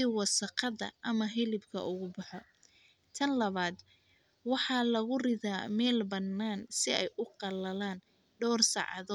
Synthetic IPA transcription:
sɪwɑsɐqɑðɐ̰ʔɐmɐɦɪlɪbkʰɐ̰ʔʊɣʊbɑħɔ | t̪ʰɐnlɐβaːd̪ | wɑħɑːlɐɣʊrɪðaːmɛːlbɐnːaːnsɪɛjʔʊqɑlɐlaːn | ɖɔːrsɑ̰ʕɑ̰ðɔː

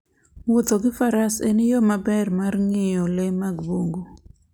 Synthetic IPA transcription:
wot̪oɡɪfaɾasenɪjɔmabɛrmarŋɪjɔlemaɡboŋɡo

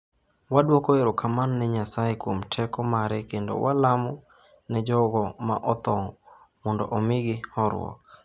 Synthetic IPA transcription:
wadwokoeɾɔkʰamanːɛɲasajekwomtʰɛkɔmaɾɛkendo̰wʔalamɔ | nɛd͡ʒɔɡɔma̰ʔɔt̪ɔŋ | mɔndoʔomɪɡɪhɔɾw̰ɔ̰k̚

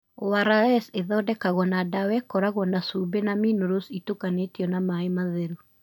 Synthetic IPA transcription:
owaɾaɛseðɔːdɛkaɣɔnadawɛkɔɾaɣɔnasubenaminoɾositokanetiɔnamaemaðɛɾu

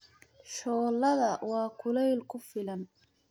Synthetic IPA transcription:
ʃɔːlɐðɐwɑːkʰʊlɛjlkʰʊfɪlɐn

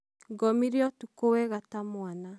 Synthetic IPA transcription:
ɡɔmiɾeɔtukowɛɣatamoana

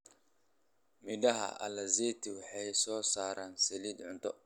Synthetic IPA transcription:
mɪɖɐɦɐ̰ʔɐ̰lɐzɛːt̪ʰɪwɑħɑjsɔːsaːɾʔaːnsɛliːd̪ʕʊnt̪ʰɔ

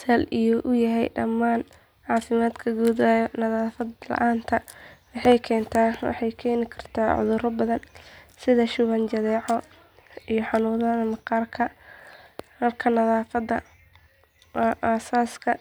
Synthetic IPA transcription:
sɐlijɔʔʊjɐɦɛjɖɐ̰mːaːn | ʕɑːfɪmaːd̪kʰɐɡuːðaːjɔnɐðaːfɐd̪lɐ̰ʔaːnt̪ʰɐwɑħɑjkʰɛːnt̪ʰaːwɑ̰ħɑjkʰɛːnɪkʰɐr̥t̪ʰaːʕʊ̰ðʊɾɔbɐðɐnsɪðɐʃʊβɐnt͡ʃɐðɛːʕɔ | ijɔħɑnuːðɐnɐmɑqɑːrkʰɐ | mɐrkʰɐnɐðaːfɐd̪ːɐ̰ | ʔaːsaːskʰɐ

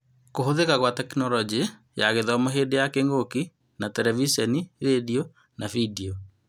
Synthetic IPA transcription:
koɦoðekaɣwatɛkinɔlɔd͡ʒi | jaɣeðɔmoɦedejakeŋɡoki | natɛɾɛvisɔniɾedio | navidio

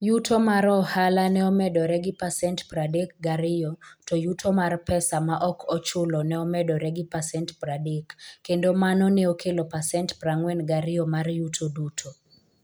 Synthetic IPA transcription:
jutʰomaɾɔhalanɛɔmɛdɔɾɛɡɪpasɛntpradek̚ɡaɾɪjɔtojutʰomarpɛsamaʔɔkʰɔt͡ʃʊlɔnɛɔmɛdɔɾɛɡɪpasɛntpradekːendomanɔnɛokʰelopasɛntpraŋwɛnɡaɾɪɔmarjutʰodutʰo

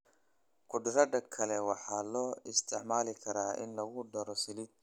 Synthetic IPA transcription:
kʰʊɖɪɾɐɖɐkʰɐlɛwɑħɑːlɔːɪst̪ʰɪʕmaːlɪkʰɐɾaːɪ̰nlɐɣʊɖɐɾɔsɪlɪd̪̚

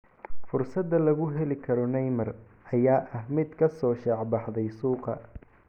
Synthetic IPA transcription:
fʊrsɐd̪ɐlɐɣʊɦɛlɪkʰɐɾɔnɛjmɐr | ʔɐjaːʔɐɦmɪd̪kʰɐsɔːʃɑʕbɑħd̪ɛjsuːqɐ

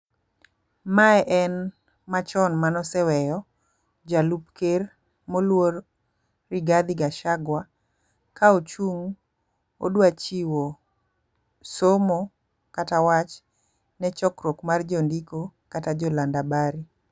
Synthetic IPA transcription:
maɛʔɛn | mat͡ʃɔnmanɔsɛwɛjɔ | d͡ʒalupker | molworː | iɡad̪ɪɡaʃaɡwa | kaot͡ʃuŋ | o̰dwat͡ʃiwo | somo | katawat͡ʃ | nɛt͡ʃɔkɾokmard͡ʒɔndikokatad͡ʒɔlandabaɾi

